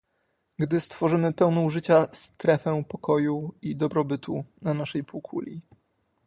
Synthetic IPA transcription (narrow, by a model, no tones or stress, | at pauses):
ɡd̪ɘst̪fɔʐɘmɘpɛwnɔuʐɘt͡ɕast̪ɾɛfɛ̃pɔkʰɔjuid̪ɔbɾɔbɘt̪ʰunanaʂɛjpukʰṵlʲi